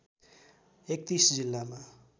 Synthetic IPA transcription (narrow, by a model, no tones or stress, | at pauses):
ek̚t̪isd͡zilːama